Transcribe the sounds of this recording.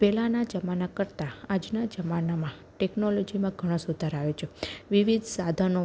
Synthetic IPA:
pɛlanad͡ʒəmanakəɾt̪aad͡ʒnad͡ʒəmanamã | ʈɛknolod͡ʒimãɡʱəɽ̃õsud̪ʱəɾaʋet͡ʃʰeʋiʋid̪ʱsad̪ʱəno

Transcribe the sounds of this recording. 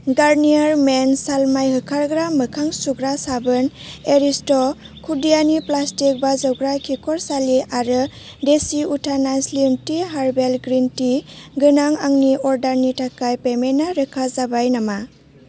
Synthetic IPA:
ɡaɾnijaɾmensalmajhɯkʰaɾɡɾamɯkʰaŋsuɡɾasabɯneɾistɔ | kʰudijaniplastik̚bazɔwɡɾakʰikɔɾsaliʔaɾɯ | desiutʰanaslintiɦaɾbelɡɾintiɡɯnaŋaŋniɔɾdaɾnitʰakajpemenːaɾɯkʰazabajnama

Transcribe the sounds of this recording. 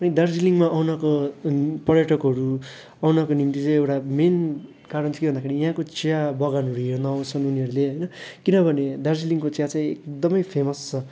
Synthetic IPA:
pʌnid̪ʌrd͡ziliŋmaʔʌwnʌko | pʌɾjʌʈʌkɦʌɾu | ʌwnʌkonint̪it͡saĩewʈamen | kaɾʌnt͡sʰʌkebʌnd̪akʰeɾijɦãkot͡sijabʌɡanʌɾuɦernʌʌ̃t͡sʰʌnuniʌɾuleɦʌjnʌkinʌbʱʌned̪ʌrd͡ziliŋkot͡sjat͡sãĩekd̪ʌmʌjpʰemʌst͡sʰʌ

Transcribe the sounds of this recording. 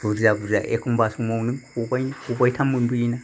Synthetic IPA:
b̥uɾzabuɾza̰ʔekʰumbasumawnɯŋkubajnkubajtʰamunbuina

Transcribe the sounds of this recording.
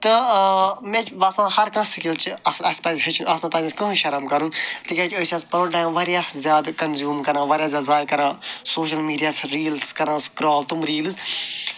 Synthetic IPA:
t̪ɨ | mẽt͡ʃʋaːsãːhɐɾkɐ̃sikilt͡ʃiɐslɐsʲpɐːzʲɦɐt͡ʃʰuʔɐslɐ̃t̪aːziskɐ̃ũʃɐɾɐmkɐɾũnt̪ikʲãkʲoːsaːspɐɾoɖãːʋɐɾijaːszʲjaːd̪kɐnzʲjuːmkɐɾãːʋɐɾʲjaːszʲjaːd̪zʲaːd̪̚kɐɾãːsoːʃ̬ɐlmiːɖijaːsɾiːlskɐɾãːskɾɔːlt̪umɾiːls

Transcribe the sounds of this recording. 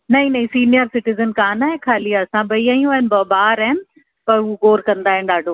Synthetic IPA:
nɐĩnɐĩsiːnijəɾsɪʈɪzənkaːnaːɦẽkʰaːliaɐsãbʱɐiaːjũaːɦɪnɪbɐbaːɾaːɦɪnɪ̆ | pɐɾuɡoːɾkɐ̃nd̪aːɦɪn̆ɗaːɖʱoː

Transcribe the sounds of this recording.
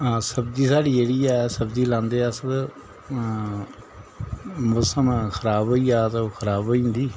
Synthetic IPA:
asəbd̪iːsaːɽiːeːɽiːɛːsəbd̪iːlãːnd̪eːsə | mʊsəmkʰəɾaːbɦoːiːaːt̪okʰəɾaːboːĩːnd̪iː

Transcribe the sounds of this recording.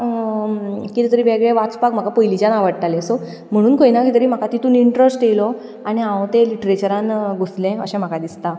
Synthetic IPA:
kit̪ɛt̪əɾiːʋeɡɭeʋat͡spakm̤akapəjlit͡ɕanaʋəɽʈ̪alẽso | m̤əɽ̃uːnkojnakit̪əɾiːm̤akat̪it̪uːniɳʈɾəsʈjelɔ | añiãʋt̪eliʈɾet͡ɕəɾãnɡʱoslẽə̰ɕɛ̃m̤akad̪ist̪a

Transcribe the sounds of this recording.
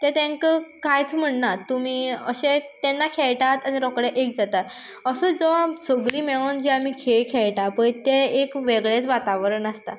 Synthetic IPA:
t̪ɛ̃t̪ẽŋkəkajt͡sm̤əɳnat̪um̤iːəɕẽt̪ɛnːakʰeɭʈat̪aniɾɔkɽeʔek̚d͡zat̪at̪ | əsəd͡zɔsəɡɾiːmeɭoːnd͡ʑiamiːkʰeɭkʰɛɭʈapəɳt̪ɛekʋeɡɭet͡sʋat̪aʋɾəɳəst̪a̰

